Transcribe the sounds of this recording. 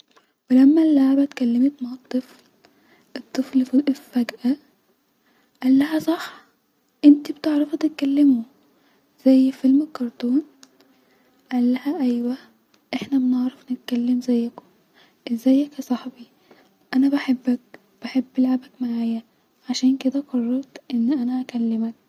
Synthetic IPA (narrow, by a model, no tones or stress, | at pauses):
welæmːælːaʕbæt̪kælːemet̪maʕɑt̪ˤːɨfl | ʔɨt̪ˤːɨflfiʔefæɡʔæ | ʔælːæhæsˤɑħ | ʔent̪ibt̪eʕɾɑfæt̪et̪̚kælːemo | z̥æjːfelmekːɑɾˤt̪ˤoːn | ʔælːæhæʔæjwæ | ʔeħnæmeneʕɾɑfnet̪̚kælːemzæjːæko̥ | ʔezæjːækæsˤɑħbi | ʔænæbæħebːæk̚ | b̥eħebːelʕabækmaʕaːjæ | ʕaʃæːnked̪æqɑrˤːɑɾˤt̪ʔenːʔænæʔækælːemæk̚